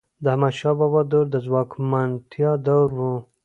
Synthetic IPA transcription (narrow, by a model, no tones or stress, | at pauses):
d̪əhamaʃɑbɑbɑd̪oɾd̪əzwɑkmant̪ʰjɑd̪awɾwu